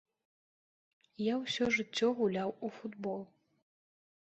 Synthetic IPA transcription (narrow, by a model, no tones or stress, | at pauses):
jawsʲɔʐɨt͡sʲːɔɣulʲawufud̪bɔlˠ